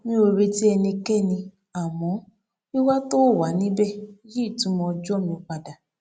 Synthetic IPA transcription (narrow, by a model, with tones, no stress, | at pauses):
nĩ˦o˧ɾe˧ti˦ɛ˧nĩ˧kɛ˦nĩ˧ | a˨mɔ̃˨˦ | i˦wa˦to˦˨wa˨˦nĩ˦bɛ˦˨˦je˦i˦˨tũ˨˦mɔ̃˧d͡ʒɔ˦mĩ˧o˧k͡pa˧da˨